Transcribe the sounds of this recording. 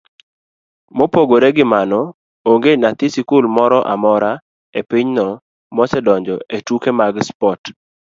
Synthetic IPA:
mopoɡoɾeɡɪmanɔ | oŋɡenat̪ɪsikulmɔɾɔʔa̰mɔɾa | epiɲnɔ | mɔsɛdɔɲd͡ʒɔetukemaɡspɔt

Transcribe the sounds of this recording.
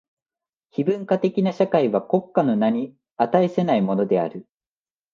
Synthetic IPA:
çibɯ̟̃ŋkat̪e̞kʲinaɕakaiβako̞kːano̞naɲ̟i | at̪aese̞naimo̞no̞d̪e̞a̰ɾɯ̟

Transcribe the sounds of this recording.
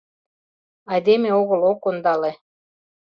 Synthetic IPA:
ɑjd̪emeoɣə̆lokond̪ɑle

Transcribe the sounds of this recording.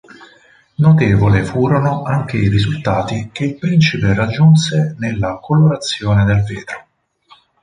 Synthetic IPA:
not̪eːvolefuːɾonoʔaŋk̟eiɾizult̪aːt̪ik̟eilpɾint͡ʃiperad͡ʒːunsenelːakoloɾat̪sːjoːned̪elvḛːt̪ɾo

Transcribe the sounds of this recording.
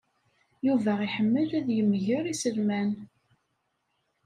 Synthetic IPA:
juvæiħəmːəlæðjəmːʝəɾisəlmæn

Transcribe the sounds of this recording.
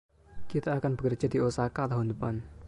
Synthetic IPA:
kit̪aːkanb̥ə̥kər̥d͡ʒ̥a̤d̪̥iosakalaɦund̪əpan

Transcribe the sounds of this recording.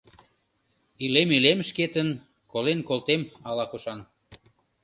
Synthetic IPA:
ilemilemʃket̪ən | kolenkolt̪emɑlɑkuʃɑn

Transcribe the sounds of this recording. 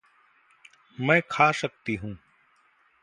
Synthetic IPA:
mɛ̃ːkʰaːsək̚t̪iːɦũː

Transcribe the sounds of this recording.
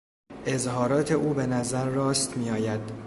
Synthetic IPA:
ʔe̞zɦɒːɾɒːt̪ʰe̞ʔuːbe̞næzæɾːɒːst̪miːɒːjæd̪̥

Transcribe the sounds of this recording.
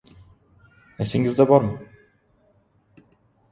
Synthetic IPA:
nesiŋɡizd̪ɛvaɾmɯ

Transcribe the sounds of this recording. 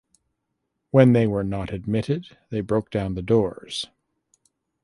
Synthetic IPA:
wɨ̃nðeɪwə˞nəɾɨd̚mɪɾɪd̪̚ | ðeɪbɹoʊk̚d̥ãʊ̃nðɨdɔɹz̥

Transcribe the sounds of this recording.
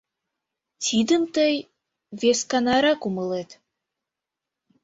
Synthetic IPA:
t̪ʰid̪əmt̪əj | veskɑnɑɾɑkuməlet̪

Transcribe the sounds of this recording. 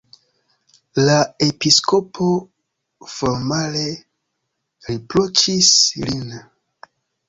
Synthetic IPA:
lae̞pisko̞pʰo | foɾmale̞ | ɾiplot͡ʃislin

